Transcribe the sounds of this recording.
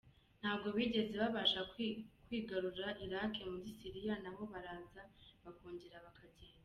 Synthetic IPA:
n̥haːbɡo̞βiɟe̞ze̞βaβaʃakwiːɡaɾuɾaʔiɾakʰe̞muɟisiɾijanaβo̞βaɾaːzaβakoːɲɟeɾaβakʰaɟea

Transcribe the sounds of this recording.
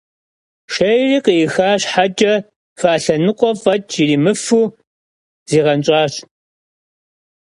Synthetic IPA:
ʃɐjriːqijɪxaːɕħad͡ʒʼɐ | faːɬɐnɨqʷʼɔvɐt͡ʃʼʰjiriːmɨfuː | z̥iːʁɐnt͡ʃʼɑːɕ

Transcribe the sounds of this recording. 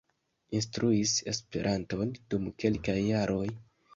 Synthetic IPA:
instɾuise̞̰spe̞̰ɾʔanto̞nd̥umke̞lkajːaɾʔo̞j

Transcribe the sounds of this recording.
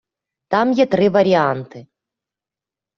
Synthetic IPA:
t̪amjɛt̪rɨvɐɾʲiant̪ɨ

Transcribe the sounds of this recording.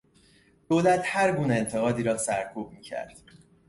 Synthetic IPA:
d̪̥oːlæt̪ʰhæɾɡuːneent̪ʰe̞ɣɒːd̪iːɾɒːsæɾkʰuːb̚miːcʰæ̰ɾd̪̥

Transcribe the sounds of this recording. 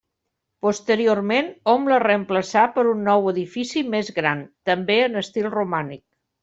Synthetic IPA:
pust̪əɾiormenɔmlərəəmpləsapəɾunːɔwəðifisimezɣɾant̪əmbeənəst̪ilˠrumanik̚

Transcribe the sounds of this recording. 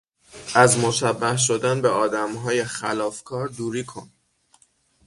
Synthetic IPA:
ʔæzmoʃæbːæhʃ̬od̪ænbeɒːd̪æmɦɒːje̞xælɒːfkʰɒːɾd̪uːɾiːkʰon

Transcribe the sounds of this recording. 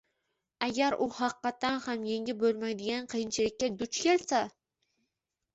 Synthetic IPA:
æɡʲæɾuhɑqːɑt̪ːanhamjeŋʲɪbɵlˠmæjd̪ɪɡʲanqʰɨjɪnt͡ʃʰɪlɪkʲːad̪ʊt͡ʃkʲʰelsa

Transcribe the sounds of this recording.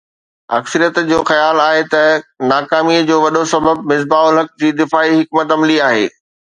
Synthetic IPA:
ɐ̰ksəɾijət̪d͡ʑoːxɐjaːlaːɦet̪ɐnaːkaːmiəd͡ʑoːʋɐɗosɐbəb̚mɪz̬baːʊlɦɐk̚d͡ʑiːd̪ɪfaːiɦɪkmət̪ɐmliaːɦḛː

